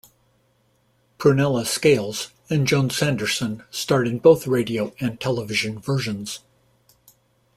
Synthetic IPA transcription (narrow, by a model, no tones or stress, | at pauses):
pʰɹ̥ɨnɛlˠəskeɪlˠz̥ | ɨ̃nd͡ʒɑ̃nsæ̃ndə˞sə̃nstɑɹɾɨ̃d̚boʊθɹeɪɾioʊɨ̃ntʰɛlˠəvɪʒɨ̃nvɜ˞ʒɨ̃nz̥